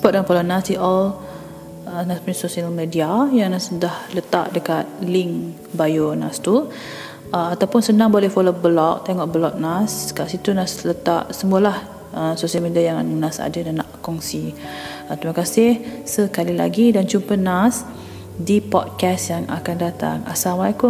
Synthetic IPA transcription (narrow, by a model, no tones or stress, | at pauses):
spɔt̪̚jaŋfolonasdiɔl | ənaspuɲsosialmediajaŋnasudahlət̪a̰ʔdəkat̪̚lɪŋ | bajona̰st̪u | əmat̪awpʊnsənãŋbolɛhfolobəlɔk̚t̪eŋɔʔbəlɔk̚naskaʔsit̪unaslət̪a̰ʔsəmuəlah | ʔəmsosialmediajaŋnasa̰dədanaʔkɔŋsi | ət̪ɾimakasɪhsəkalila̰ɡidant͡ʃumpənas | dipɔ̰d̚kɛsjaŋa̰kandat̪a̰ŋa̰samaku